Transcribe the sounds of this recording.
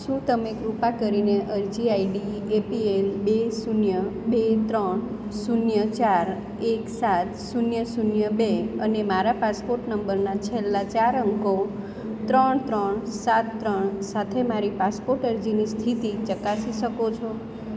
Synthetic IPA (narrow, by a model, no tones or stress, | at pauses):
ʃũt̪əmekɾupakəɾineʔəɾd͡ʒiaiɖiepielbesunjəbet̪ɾəɳ | sunjət͡ʃaɾ | eksat̪sunjəsunjəbeənemaɾapaspoɾʈnəmbəɾnat͡ʃʰelːat͡ʃaɾəŋko | t̪ɾəɳt̪ɾəɳsat̪ːɾəɳsat̪ʰemaɾipaspoɾʈəɾd͡ʒinist̪ʰit̪it͡ʃəkasiʃəkot͡ʃʰo